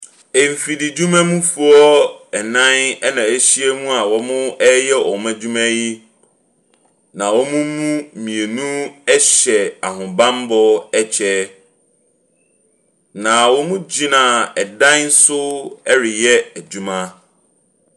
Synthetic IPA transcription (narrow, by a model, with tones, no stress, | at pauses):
e˨m̩˨fi˨dɪ˨d͡ʑu˦mæ̃˦mũ˦fu˦ɔ˦ɛ˨nã˦nɛ˦nã˨æ˦ɕi˦e˦mũ˦a˨wɔ˦mʊ̃˦ɛ˦jɛ˦ʔɔ˨mã˦d͡ʑu˦mæ̃˦ji˦ | nã˨wɔ˦mũ˦mũ˦˨mĩ˨e˨nũ˦ɛ˦ɕɛ˨a˨ɦʊ̃˨bã˦m˦bɔ˦ɛ˦t͡ɕʰɛ˦ | nã˨wɔ˦mũ˦d͡ʑi˦nã˨ɛ˨dã˦n̩˦sʊ˦ɛ˦ɾɪ˨jɛ˦æ˨d͡ʑu˦mã˦